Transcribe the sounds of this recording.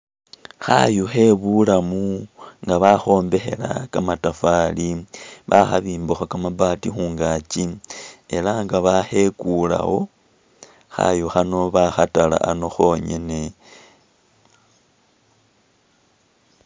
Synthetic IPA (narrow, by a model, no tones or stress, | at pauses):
xa̰juxe̞βulamuŋɡaβaxo̞ːmbe̞xe̞̰la̰kamatafaliβaxa̰βiːmbuxakamabaːtixuːŋɡaːt͡ʃie̞laŋɡaβaxe̞kula̰wo̞ | xa̰juxano̞βaxatala̰ʔano̞xo̞ːɲe̞̰ne̞